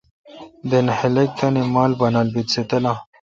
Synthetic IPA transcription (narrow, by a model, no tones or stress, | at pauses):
d̪enhelek̚t̪ɐnimaːlbɐnalbit̪set̪ɐlã